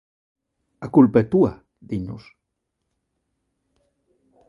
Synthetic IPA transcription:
akulpet̪ua | d̪inus

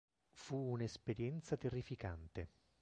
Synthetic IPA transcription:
fuːnespeɾjɛnt̪sat̪erːifikant̪e

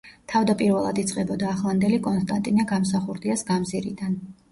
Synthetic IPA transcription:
t̪ʰavd̪apʼiɾvɛlˠa̰d̪it̪sʼqʼɛbɔd̪aːχlˠand̪ɛlikʼɔnst̪ʼant̪ʼinaɡamsaχuɾd̪iasɡamziɾḭd̪an

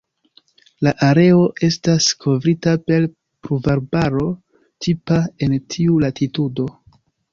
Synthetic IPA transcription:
laʔaɾe̞o̞ʔe̞staskʰo̞vɾitape̞l | pɾuvaɾbaɾo̞ | tʰipae̞ntʰiulatʰitudo̞

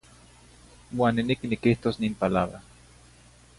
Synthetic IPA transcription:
waːnːiniknikiht̪osniːmpalaβɾa

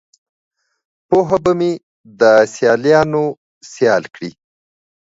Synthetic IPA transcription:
poɦabəme | d̪əsjɑljɑno | sjɑlkɽi

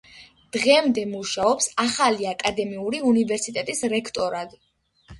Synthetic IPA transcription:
d̪̥ʁɛmd̪ɛmuʃaɔpsaχaliakʼad̪ɛmiuɾiunivɛɾsit̪ʼɛt̪ʼisɾɛkʰt̪ʼɔɾad̪i

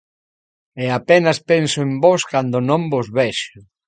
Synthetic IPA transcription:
ɛapenɐspensʊembɔskand̪ʊnõmbozβɛʃʊ

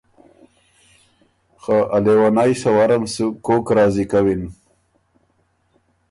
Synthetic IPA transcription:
xaʔalewanajʂawaɾamsukoːkɾɑːzikawin

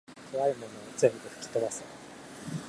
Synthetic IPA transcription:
k̪ʰoβaimo̞noozẽ̞mbɯ̟ɸɯ̟̥kʲi̥t̪od̪ase

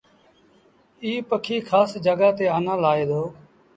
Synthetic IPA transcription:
iːpəkʰiːkʰaːsd͡ʒəɡaːt̪eːaːnãːlaːeːd̪oː

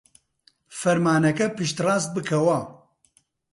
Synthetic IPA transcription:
fɐɾmaːnɐkɐpɨʃt̪raːst̪̚bɨkʰɐwa

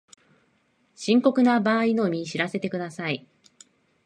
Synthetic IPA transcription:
ɕĩŋko̞kɯ̟nabaːino̞mʲiɕiɾase̞t̪e̞kɯ̟d̪asai

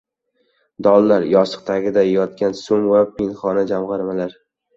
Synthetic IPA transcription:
d̪ɒlˠːaɾjɒsɨ̥q̚t̪ʰaɡʲɪd̪ajɒt̪̚kʲansʊmvapʰɪnχɒnad͡ʒamʁɑɾmalaɾ

